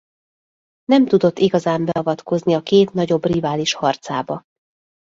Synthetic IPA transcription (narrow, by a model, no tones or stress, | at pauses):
nɛmt̪ud̪o̞t̪ːiɡɒzaːmbɛɒvɒt̪ko̞zniɒkeːt̪nɒɟo̞brivaːliʃhɒrt̪saːbɒ